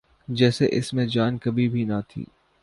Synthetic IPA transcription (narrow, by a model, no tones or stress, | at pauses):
d͡ʒɛːseʔɪsmẽd͡ʒaːnkɐbʱibʱinɐt̪ʰḭː